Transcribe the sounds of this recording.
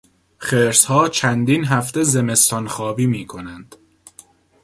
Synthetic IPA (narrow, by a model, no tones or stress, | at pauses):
χeːɾshɒːt͡ʃʰænd̪inɦæft̪ezeme̞st̪ɒnxɒːbiːmiːkʰonænd̪̥